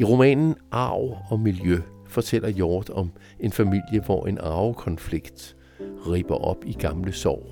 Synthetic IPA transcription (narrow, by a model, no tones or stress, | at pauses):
iʁo̝mɛ̰ːnn̩ʔɑ̈ʊ̰ɒ̽miljøfɒ̽t͡sʰel̰ɐjɒːd̥ɒ̽m | e̝nfæmil̰jəʋɒe̝nɑ̈ʊkʰɒ̽nfliɡ̥d̥ | ʁḭːb̥ɐʔɒ̽b̥iɡ̥ɑ̈mləsɒ̰ː